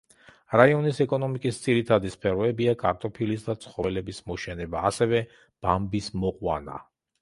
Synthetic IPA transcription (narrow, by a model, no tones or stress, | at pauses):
ɾaiɔnisɛkʼɔnɔmikʼisd̪z̥iɾit̪ʰad̪ispʰɛɾɔɛbiakʼaɾt̪ʼɔpʰilisd̪at̪sʰχɔvɛlɛbismɔʃɛnɛbaːsɛvɛ | b̥ambismɔqʼwa̰na̰